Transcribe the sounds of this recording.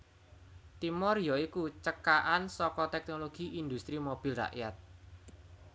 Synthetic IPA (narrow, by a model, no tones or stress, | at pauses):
t̪imɔrjɔikut͡ʃəkaʔansɔkɔt̪ɛk̚noloɡ̥iʔind̪ust̪ɾimob̥i̤lra̰ʔjat̪̚